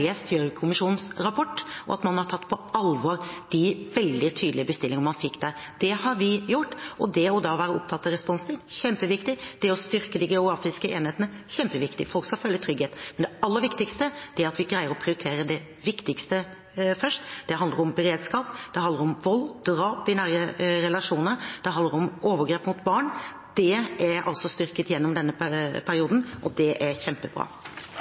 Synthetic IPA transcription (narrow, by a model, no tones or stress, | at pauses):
eːst̪ʰjøːɾkʰʊmɪʂuːnən̩sɾɑpʰɔʈːʔɔ̰ɑ̰t̪mɑnhɑɾʈ̪ʰɑt̪ːpʰɔɑlʋoːɾd̪̥ɪʋɛld̪ɪt̪ʰyːd̪lɪəbəst̪ɪlːɪŋəmɑnfɪkːd̪æɾd̪̥ɛhɑɾʋɪjʊʈːʔɔd̪ɛɔd̪ɑʋæːɾəɔ̰pt̪ʰɑt̪ːɑɾɛspɔnst̪ʰɪŋçɛmpəʋɪkt̪ɪd̪̥ɛɔst̪ʏɾkəd̪ɪɡɛʊɡɾɑːfɪskəʔeːnheːt̪ənəçɛmpəʋɪkt̪ɪ̰fɔlkskɑlfœlːət̪ʰɾʏɡheːt̪mɛnd̪ɛɑlːəɾʋɪkt̪ɪkst̪əd̥̪ɛæɾɑt̪ʋɪɡɾæɪəɾɔpʰɾɪʊɾɪt̪ʰeːɾəd̪ɛ | ʋɪkt̪ɪkst̪ə | fœʂʈd̪̥ɛɦɑnd̪əɾɔmbəɾeːd̪skɑːpd̪̥ɛɦɑnd̪əɾɔmʋɔlːd̪̥ɾɑːpɪnæɾjəɾɛlɑʂuːnəɾd̪̥ɛhɑnd̪əɾɔmʔoːʋəɡɾeːpmʊt̪bɑːɳ | d̪̥ɛʔæɾɑ̰lsɔst̪ʏɾkət̪jɛnːɔmd̪ɛnːəpʰæɾɪuːd̪n̩ʔɔd̪ɛʔæɾçɛmpəbɾɑ̰ː